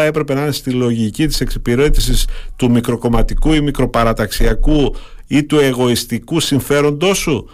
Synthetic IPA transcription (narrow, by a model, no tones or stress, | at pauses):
ɐe̞pɾe̞pe̞nɐinest̪ilo̞ʝicit̪i̥se̞ksipiɾe̞t̪isist̪umikɾo̞ko̞mɐt̪ikuimikɾo̞pɐɾɐt̪ɐksiɐkuit̪ue̞ɣo̞ist̪ikusiɱfe̞ɾo̞nd̪o̞su